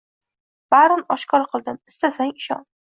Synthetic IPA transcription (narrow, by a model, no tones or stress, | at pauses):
b̥aɾɪnɒʃkʰɒɾqʰɨlˠd̪ɪmɪ̥st̪asaŋɪʃɒ̰n